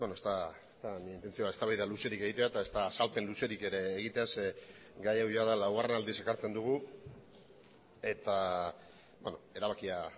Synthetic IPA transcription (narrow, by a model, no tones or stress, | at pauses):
benost̪aest̪aniint̪e̞nt͡sio̞ae̞st̪aβajðaluse̞ɾike̞ɣ̞it̪eat̪ae̞st̪aːsalpe̞nluse̞ɾike̞ɾe̞ːɣ̞it̪e̞as | ɡajawʝaðalawɣarenald̪ise̞kaɾt͡se̞nd̪uɣ̞u | e̞t̪a | bonoe̞ɾaβakia